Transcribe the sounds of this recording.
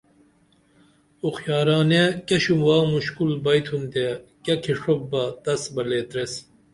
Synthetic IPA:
uxjɑːɾɑːnekʲeɕumwɑːmuɕkulbɐjt̪ʰund̪ekɐkʰiʂob̚bɐd̪ɐsbɐleːt̪ɾes

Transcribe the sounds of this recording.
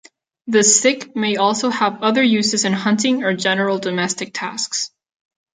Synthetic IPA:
ðɨsɪkmeɪɔlˠsoʊəvʌðə˞jʉzɨzɨ̃nhʌ̃ntɪ̃ŋə˞d͡ʒɛnə˞l̩ˠdɨmɛstɨk̚tʰæ̰sks

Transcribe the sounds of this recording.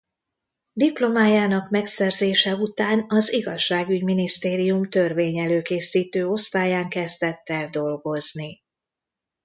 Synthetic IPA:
d̪iplo̞maːjaːnɒkmɛksɛrzeːʃɛut̪aːnɒziɡɒʃːaːɡyɟminist̪eːɾijumt̪ø̞rveːɲɛløːkeːsiːt̪øːo̞st̪aːjaːŋkɛzd̪ɛt̪ːɛld̪o̞lɡo̞zni

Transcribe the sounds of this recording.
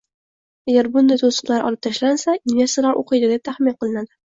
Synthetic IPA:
aɡʲaɾbʊnd̪ajt̪ʰosɨ̥qlˠaɾʔɒ̰lˠɪp̚t̪ʰaʃlansaɪnvʲesɪlaɾʔo̰qʰɨjd̪ɪd̪ep̚t̪ʰaχmɪnqʰɨlˠɪnad̪ɪ

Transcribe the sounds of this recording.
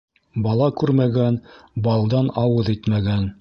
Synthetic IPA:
bɑlˠɑkʉɾmæɡænbɑlˠd̪ɑnɑwɤðɘjt̪mæɡæn

